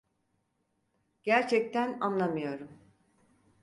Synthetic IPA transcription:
ɟ̥æɾt͡ʃʰɛc̚t̪ʰænanlˠamɯjo̞ɾum

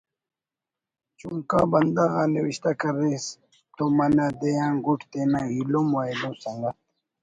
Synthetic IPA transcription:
t͡ɕuŋka̰bɐnd̪aɣaniwiɕt̪akɐɾes | t̪omɐnad̪ejãːɡuʈt̪enãilomoed̪õːsɐŋɡat̪

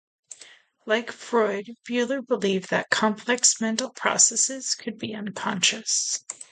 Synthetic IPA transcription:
laɪkfɹɔɪd̚b̥jʉlˠə˞bəlivðɨ̰t̚kʰɑ̃mpʰlɛksmɛ̃ntˡl̩ˠpʰɹ̥ɑ̰sɛsɪz̥kʰɨd̚biʌ̃nkʰɑ̃nʃɨs

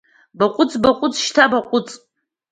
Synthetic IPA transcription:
baqʷʼʊt͡sʼbaqʷʼʊt͡sʰʼʃtʰabaqʷʼʊt͡sʼ

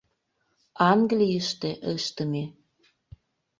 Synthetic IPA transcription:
ɑŋɡlʲijəʃt̪eʔəʃt̪ə̆me

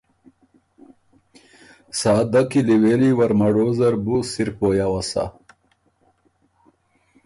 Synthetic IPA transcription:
saːd̪akiliweliwɐɾmɐɽozɐɾbusiɾpojawasa̰

